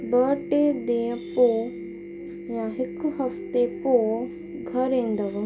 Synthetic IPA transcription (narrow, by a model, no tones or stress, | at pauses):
bəːʈed̪ẽːpoː | jãɦɪkɦɐft̪epoː | ɡʱɐɾẽːn̆d̪əʋ